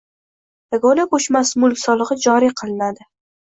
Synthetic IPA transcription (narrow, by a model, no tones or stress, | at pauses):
aɡɒlaqoʃmasmʊlˠkʲsɒlˠɨʁɨd͡ʒɒɾiqʰɨlˠnad̪ɪ